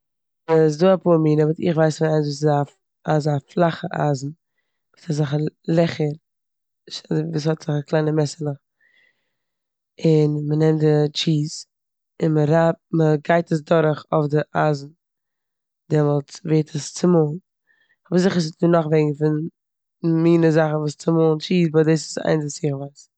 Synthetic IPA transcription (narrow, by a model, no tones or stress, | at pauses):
əs̬duːapuːɾmiːnəvɪtɪ̰χvaɪsfiːaɪnsvuːs̬ɪza | azaflˠaχəʔa̰ːzn̩ | ɪsazaχəlˠɛχəɾ | ʃaviːshɔtz̥ɪχaklˠaɪnəmɛsənʊχ | ɪnmənɛmtdɪt͡ʃiːz | ɪnməɾapməɡaɪtəs̬dɔɾχɔfdɪʔaːzn̩ | dɛmɔlˠt͡sveːtʰəst͡sɪmoːn | ɔbzɪχəɾs̬ɪtnuːnaχvɛːɡŋ̩fɪn | miːnəzaχn̩vuːst͡sɪmoːlˠnt͡ʃiːsbɔdeːs̬ɪ̥sa̰ɪnzɪsjɪχvaɪs